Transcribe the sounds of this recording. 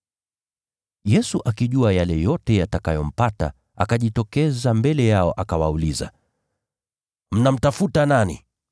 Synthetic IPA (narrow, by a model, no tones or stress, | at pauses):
jɛsuʔakiʄuajalɛjɔtɛjatakajɔm̩pata̰ | ʔa̰kaʄitɔkɛzambɛlɛjaɔʔakawauliza̰ | m̩nam̩tafutananḭ